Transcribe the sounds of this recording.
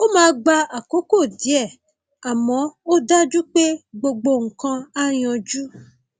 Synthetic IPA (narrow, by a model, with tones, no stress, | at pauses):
o˦mãː˧˦˧ɡ͡ba˧a˨ko˨˦ko˦˨di˨˦ɛ˦˨ | a˨mɔ̃˨˦o˦da˦d͡ʒu˦k͡pe˦ɡ͡bo˧ɡ͡bo˧ŋ̩˨kã˧a˦j̃ɔ̃˧d͡ʒu˦